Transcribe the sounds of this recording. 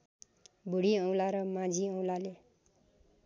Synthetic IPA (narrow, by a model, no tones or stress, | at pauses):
bʱuɽiʌw̃laɾʌmãd͡zʱiʌw̃lale